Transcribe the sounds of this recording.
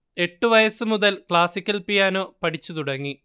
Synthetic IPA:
e̞ʈːuʋɐjɐsɨmuðɐlkɭaːsikʲːɐlpijaːno̞ːpɐʈit͡ɕːut̪uɽɐŋːi

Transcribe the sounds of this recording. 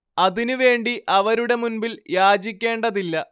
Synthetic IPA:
ɐðinuʋe̞ːɳɖiʔɐʋɐɾuɽe̞munbiljaːd͡ʑikʲːe̞ːɳɖɐðilːɐ

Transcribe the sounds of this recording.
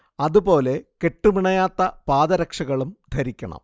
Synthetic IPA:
ɐðubo̞ːle̞ke̞ʈːumiɳɐjaːt̪ːɐpaːðɐɾɐkʂɐɣɐɭumd̪ʱɐɾikʲːɐɳɐ̰m

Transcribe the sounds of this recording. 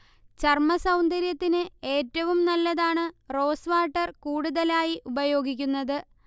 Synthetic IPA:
t͡ɕɐrmɐsɐwnd̪ɐɾjɐt̪ːinɨe̞ːtːɐʋumnɐlːɐðaːɳɨro̞ːsʋaːʈːɐrkuːɽuðɐlaːjiʔubɐjo̞ːɡikʲːunːɐðɨ

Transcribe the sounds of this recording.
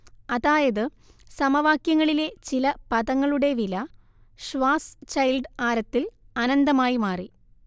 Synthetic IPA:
ɐðaːjɐðɨ | sɐmɐʋaːkjɐŋːɐɭile̞t͡ɕilɐpɐðɐŋːɐɭuɽe̞ʋilɐ | ʂʋaːst͡ɕɐjlɖaːɾɐt̪ːil | ɐnɐnd̪ɐmaːjimaːri

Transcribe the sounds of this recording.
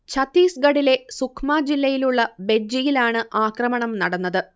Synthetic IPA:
t͡ɕʰɐt̪iːsɡɐɽile̞sukʰmaːd͡ʑilːɐjiluɭːɐbed͡ʑijilaːɳɨʔaːkrɐmɐɳɐmnɐɽɐnːɐðɨ

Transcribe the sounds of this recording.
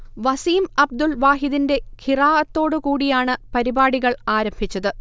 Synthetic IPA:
ʋɐsiːmɐb̚d̪ulʋaːɦiðinde̞kʰiraːʔɐt̪ːo̞ːɽɨkuːɽijaːɳɨpɐɾibaːɽiɣɐɭaːɾɐmbʱit͡ɕːɐðɨ

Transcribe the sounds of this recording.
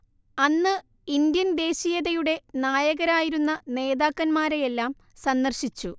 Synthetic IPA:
ɐnːɨ | ind̪jɐnd̪e̞ːɕijɐðɐjuɽe̞naːjɐɣɐɾaːjiɾunːɐne̞ːðaːkːɐnmaːɾe̞jelːaːm | sɐnd̪ɐrɕit͡ɕːu

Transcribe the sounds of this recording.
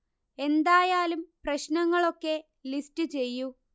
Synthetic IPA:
e̞nd̪aːjaːlumprɐɕnɐŋːɐɭo̞kːe̞ | listɨt͡ɕe̞jːu

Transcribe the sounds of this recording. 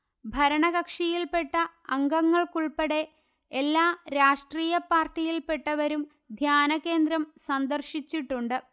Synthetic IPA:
bʱɐɾɐɳɐɣɐkʂijilpe̞ʈːɐɐŋɡɐŋːɐɭkuɭpɐɽe̞ | elːaːɾaːʂʈriːjɐpaːrʈːijilpe̞ʈːɐʋɐɾum | d̪ʱjaːnɐkːe̞ːnd̪ɾɐmsɐnd̪ɐrɕit͡ɕːiʈːuɳɖɨ

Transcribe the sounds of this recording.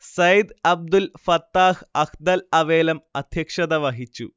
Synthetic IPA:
sɐjd̪ɐb̚d̪ulfɐt̪ːaːhɐkd̪ɐlɐʋeːlɐmɐd̪ʱjɐkʂɐd̪ɐʋɐɦit͡ɕːṵ

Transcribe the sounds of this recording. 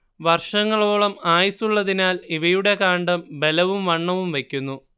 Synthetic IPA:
ʋɐrʂɐŋːɐɭo̞ːɭɐmaːjsuɭːɐðinaːliʋɐjuɽe̞kaːɳɖɐmbe̞lɐʋumʋɐɳːɐʋumʋe̞kʲːunːu

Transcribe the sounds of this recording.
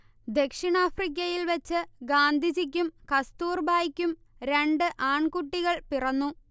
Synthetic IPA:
d̪e̞kʂiɳaːfrik̬ʲːɐjilʋɐt͡ɕːɨɡaːnd̪ʱid͡ʑik̬ʲːumkɐst̪uːrbʱaːjkʲːum | ɾe̞ɳɖɨʔaːɳkuʈːiɣɐɭpirɐnːu

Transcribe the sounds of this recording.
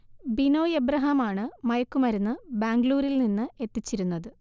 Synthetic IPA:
bino̞ːjebɾɐɦɐmaːɳɨmɐjɐkːumɐɾunːɨbaːŋɡɭuːɾilninːɨe̞t̪ːit͡ɕːiɾunːɐðɨ

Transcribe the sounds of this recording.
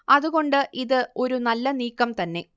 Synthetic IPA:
ɐðuɣo̞ɳɖɨʔiðɨo̞ɾunɐlːɐniːkːɐmt̪ɐnːe̞

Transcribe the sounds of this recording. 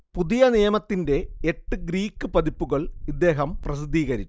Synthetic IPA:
puðijɐnijɐmɐt̪ːinde̞eʈːɨɡɾiːkːɨpɐðipːuɣɐɭid̪ːe̞ːɦɐmprɐsid̪ʱːiːɣɐɾit͡ɕːu̥

